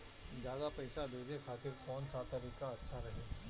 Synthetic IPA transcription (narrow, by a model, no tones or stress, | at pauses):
d͡ʒjaːd̪apɛːsad̪oːd͡ʒekʰaːt̪ɪɾkɔːnsat̪ɐɾiːkaɐtːʃʰaɾɐɦe